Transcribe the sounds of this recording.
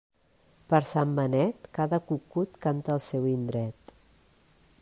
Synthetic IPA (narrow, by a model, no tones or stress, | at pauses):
pəɾsambənɛt̪kaðəkukut̪kant̪əːlˠsɛwind̪ɾɛt̪